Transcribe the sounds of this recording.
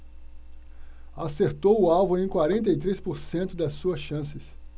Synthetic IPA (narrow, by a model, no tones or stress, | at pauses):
aseɾt̪owʊawvʊ̃ẽj̃kwaɾẽnt̪̬ejt̪ɾespoɾsẽnt̪ʊd̪ɐsːuɐsʃɐ̃sɪs